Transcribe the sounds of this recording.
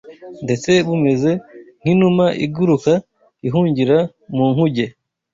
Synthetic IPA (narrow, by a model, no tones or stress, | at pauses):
nde̞t͡se̞βume̞ze̞ŋ̥inumaʔḭɡuɾuka | iɦuːɲɟiɾa | muːŋhuɟe̞